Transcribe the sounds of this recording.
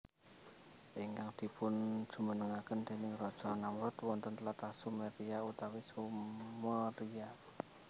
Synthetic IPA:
ʔiŋkaŋd̪̥i̤pʊnd̥ʒ̥ṳmənəŋakənd̪̥e̤nɪŋrɔd̥ʒ̥ɔ̤namɾɔt̪wɔnt̪ənt̪lat̪asumeɾiaut̪awisumɔɾia

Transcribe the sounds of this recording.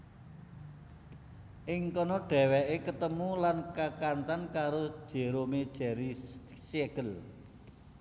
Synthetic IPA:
ʔɪŋkɔnɔɖ̥ɛ̤wɛʔekət̪əmulankakant͡ʃankaɾo̥ʒ̥e̤ɾomed̥ʒ̥ɛ̤ɾi | sieɡ̥əl

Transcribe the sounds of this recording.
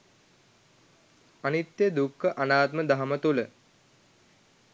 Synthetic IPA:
anit̪jəd̪ukʰːəʔanaːt̪məd̪aɦɐmət̪ulə

